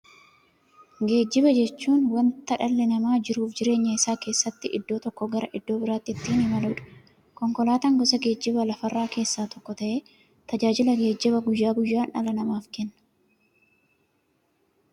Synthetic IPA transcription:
ɡe̞ːd͡ʒːɪβɐd͡ʒɛt͡ʃːuːnwɐnt̪ɐᶑɐlːɛnɐmaːd͡ʒɪɾuːfd͡ʒɪɾe̞ːɲːɐɪsːaːke̞ːsːɐt̪ːɪʔɪ̰d̪ːo̞ːt̪ɔkːɔɡɐɾɐʔɪd̪ːo̞ːbɪɾaːt̪ːɪt̪ːiːnɪmɐluːᶑɐ̥ | kɔŋkɔlaːt̪ɐŋɡɔsɐɡe̞ːd͡ʒːɪβɐlɐfɐrːaːke̞ːsːaːt̪ɔkːɔt̪ɐʔeː | t̪ɐd͡ʒaːd͡ʒɪlɐɡe̞ːd͡ʒːɪβɐɡʊjːaːɡʊjːaːnɐlɐnɐmaːfkɛnːɐ̥

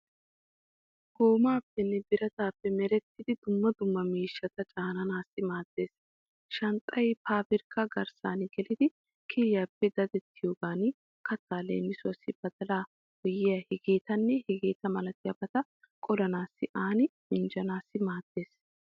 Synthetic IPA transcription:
ɡ̥oːmaːpːɛnːɛb̪ɪɾɐt̪aːpːɛmɛɾɛt̪ːɪd̪ɪd̪ʊmːɐd̪ʊmːɐmiːʃːɐt̪ɐt͡ʃʼaːnɐnaːsːɪmaːd̪̥ːe̞ːs | ʃɐnt̪ʼɐjpaːbɪɾkʰːɐɡɐɾsa̰ːnɪɡɛlɪd̪ɪ | kʰɪljaːpːɛd̪ɐd̪ɛt̪ʰːɪjoːɡaːn | kɐt̪ːaːlḛːmːɪsʊɐsːɪbɐd̪ɐlaː | hɔjɪjɐhɛɡeːt̪ɐnːɛhɛɡeːt̪ɐmɐlɐt̪ɪjɐbɐt̪ɐ | kʼɔlɐnaːsːɪʔaːnɪmɪnd͡ʒɐnaːsːɪmaːd̪̥ːe̞ːs

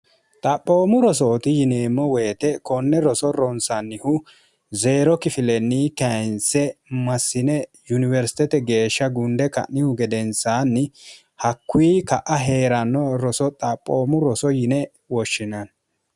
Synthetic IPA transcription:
t̪ʼɐpʼːoːmʊɾɔsoːt̪ɪjɪneːmːɔwe̞ːt̪ɛkɔnːɛɾɔsɔɾɔnsɐnːɪhʊ | ze̞ːɾɔkɪfɪlɛnːiːkɐjnsɛmɐsːɪnɛjʊnɪvɛɾsɪ̥t̪ɛt̪ɛɡe̞ːʃːɐɡʊnd̪ɛkɐ̰ʔɪhʊɡɛd̪ɛnsaːnːɪ | hɐkːʊiːkɐʔɐɦe̞ːɾɐnːɔɾɔsɔt̪ʼɐpʼːoːmʊɾɔsɔjɪnɛ | wɔʃːɪnɐn

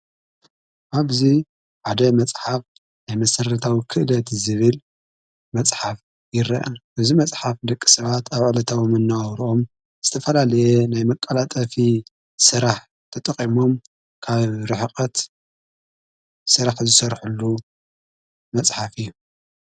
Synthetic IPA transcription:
ʔaβzi | ʕad̪ɐmɐt͡sʼħaf | najmɐsɐɾɐt̪ʰawikʰɨʔlɐt̪zɨβɨl | mɐt͡sʼħaf | jɪɾɐ̰ʔɐnʔɨβzimɐt͡sʼħafd̪ɐkʼːi̥sɐβat̪ʰaβʕlɐt̪ʰawimɐnːawɾuʔo̞m | z̥ɨt̪ʰɐfɐlalɐjenajmɐkʼːɐlat̪ʼɐfi | sɨɾaħ | t̪ʰɐt̪ʼɐqʼimo̞m | kʰaβɾɨħɨqʼɐt̪ | sɨɾaħzɨsɐɾħulːu | mɐt͡sʼħafɨjːu

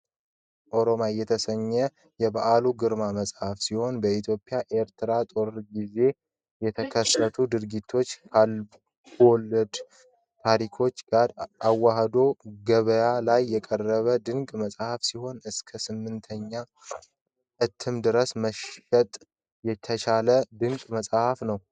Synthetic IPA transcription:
ʔo̞ɾo̞majːɛt̪ʰəsəɲːɛ | jɛβaʔaluɡɨɾmaməsʼhafsiho̞nbəit̪ʰjo̞pʼɪjaʔe̞ɾt̪ʰɨɾat̪ʼo̞ɾɨɾɡize̞ | jɛt̪ʰəkʰəsət̪ʰud̪ɨɾɡit̪ʰːo̞t͡ʃːkʰal | wɔlːəd̪ | t̪ʰaɾikʰo̞t͡ʃːɡaɾawːaɦd̪o̞ɡəβəjalajːɛkʼərːəβəd̪ɨŋkʼməsʼhafsiho̞nɨskʰəsɨmːɨnt̪ʰəɲːa | ʔɨt̪ʰːɨmd̪ɨɾəsməʃət̪ʼ | jɛt̪ʰət͡ʃʰaləd̪ɨŋkʼməsʼhafnəw

